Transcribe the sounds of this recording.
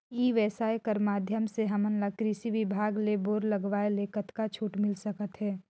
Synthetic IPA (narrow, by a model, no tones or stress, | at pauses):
iːʋɛːsaːekəɾmaːd̪ʱjəmseɦɐmənlakɾisiʋɪbʱaːɡleboːɾlɐɡʋaːeleːkət̪kat͡ʃʰuːʈmɪlsəkət̪ɦɛː